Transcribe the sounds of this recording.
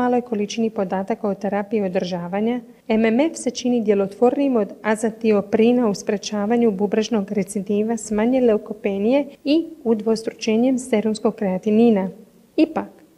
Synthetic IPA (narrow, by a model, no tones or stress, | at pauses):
aːlˠo̞jkʰo̞lit͡ʃinipo̞d̪aːt̪akaot̪eɾapiio̞d̪r̩ʒaːʋaɲa | ememe̞fse̞t͡ʃinid̪je̞lo̞t̪ʋo̞ɾnimo̞d̪azat̪io̞pɾinauspɾe̞t͡ʃaːʋaɲububɾaʒno̞ɡɾet̪sid̪iːʋasmaɲele̞okope̞nije̞iud̪ʋo̞st̪ɾu̥t͡ʃe̞ːɲemst̪e̞ɾunsko̞ɡ̚kɾeat̪iniːna | ipak